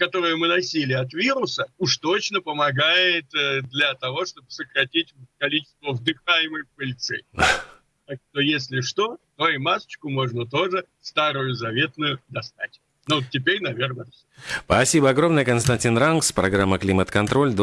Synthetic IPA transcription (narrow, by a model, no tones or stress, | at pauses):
kɐt̪o̞ɾɨjʊmɨnɐsʲilʲɪɐt̪vʲiɾʊsəuʂt̪o̞t͡ɕnəpəmɐɡajɪt̪d̪lʲɐt̪ɐvo̞ʂt̪o̞bɨsəkɾɐtʲitʲkɐlʲit͡ɕɪ̥st̪vəvd̪ɨxajɪmɨjpəlʲɪt̪sɛ̰ | t̪akʂt̪o̞jesʲlʲɪʂt̪o̞t̪oɪmasə̥t͡ɕkʊmo̞ʐnət̪o̞ʐɨ | st̪aɾʊjʊzɐvʲe̞t̪nʊjʊd̪ɐst̪atʲ | nut̪tʲːɪpʲeɾʲnɐvʲe̞rnəsʲ | pɐsʲibəɐɡɾo̞mnəjəkənst̪ɐnʲtʲinrankspɾɐɡɾamːəklʲimət̪kɐnt̪ɾo̞lʲd̪